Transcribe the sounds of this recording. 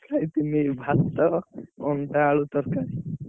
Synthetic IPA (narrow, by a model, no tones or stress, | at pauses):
kait̪imibʱast̪ɔɔnʈaɭut̪ɔɾkaɾi